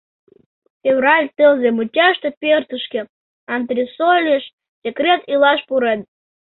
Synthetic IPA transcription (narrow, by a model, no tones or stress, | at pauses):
fʲevrɑlʲt̪əlzemut͡ɕʲɑʃt̪epʲert̪əʃke | ɑnt̪ɾʲisolʲeʃ | sʲekrʲet̪ilɑʃpuɾen